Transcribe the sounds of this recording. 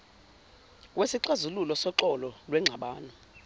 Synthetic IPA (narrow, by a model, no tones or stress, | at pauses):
wesiǀazululɔsɔǃɔlɔlwɛŋ͡ǁʱaɓaːnɔ